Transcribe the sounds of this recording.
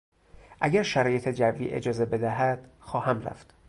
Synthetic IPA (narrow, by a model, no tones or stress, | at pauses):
ʔæɟæɾʃæɾɒːje̞t̪ʰe̞d͡ʒævːḭːʔe̞̰d͡ʒɒːze̞be̞d̪æɦæd̪̥xɒːhæmræ̰ft̪